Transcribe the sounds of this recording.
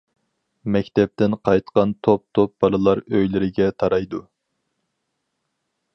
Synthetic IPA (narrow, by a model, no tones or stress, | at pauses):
mɛkʲt̪ʰɛp̚t̪ɪnqʰɑjt̪qɑnt̪ʰop̚t̪ʰop̚b̥ɑlˠɨlˠɑɾøjlɪɾɪɡʲɛt̪ʰɑɾɑjd̪u